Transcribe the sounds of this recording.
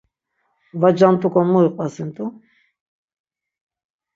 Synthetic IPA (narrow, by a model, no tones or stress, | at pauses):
vad͡ʒant̪ʼukʰɔnmuiqʼasint̪ʰʼu